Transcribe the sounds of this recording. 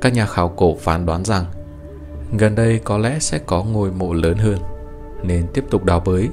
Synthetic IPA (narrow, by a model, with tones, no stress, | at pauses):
kaː˦˥k̚ɲaː˨˩xaː˨˩wko˧˩faː˨˩nɗwaː˨˦nza˨˩ŋ | ɣə˨˩nɗə˧jkɔ˨˦lɛ̰˧˥sɛ̰˧˥kɔ˨˦ŋu˧˨˩əjmo̰˧˨ləː˨˦nɦəː˧n | ne˧nt̪i˦˥əp̚t̪ʊ˨˩k͡p̚ɗaː˨˩wɓəː˨˦j